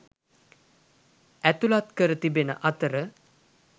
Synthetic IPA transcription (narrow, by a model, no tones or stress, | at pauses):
æt̪ulat̪kəɾət̪ibenə̰ʔat̪əɾə